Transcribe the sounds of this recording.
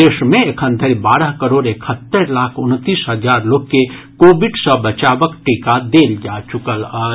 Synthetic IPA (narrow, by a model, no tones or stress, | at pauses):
eːʃmẽekʰə̃nt̪ʰəɾibaːɾəɦkəɾoːɖekʰət̪ːəɾlaːkʰʊnt̪ːiːsɦəd͡ʒaːɾloːɡ̚ke | koːbɪɖsə̃bət͡ʃaːʋəkʈiːkad̪eːld͡ʒaːt͡ʃʊkəlaː